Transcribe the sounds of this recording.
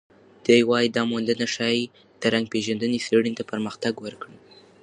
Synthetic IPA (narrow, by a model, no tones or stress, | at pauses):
d̪̥əjwɑjid̪ɑmond̪ənaʃɑj | d̪̥əɾaŋɡ̚peʒand̪əneseɽint̪apəɾməxt̪aɡwəɾkɽə